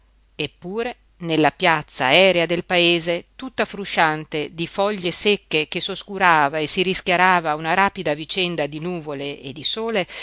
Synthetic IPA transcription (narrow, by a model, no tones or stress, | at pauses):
epːuːɾe | nelːapjat̪sːa̰ːɛːɾead̪elpaeːzet̪ut̪ːafɾuʃant̪ed̪ifɔʎːesekːekesoskuɾaːvaesiɾiskjaɾaːvaunaɾaːpid̪avit͡ʃɛnd̪ad̪inuːvoleːd̪isoːle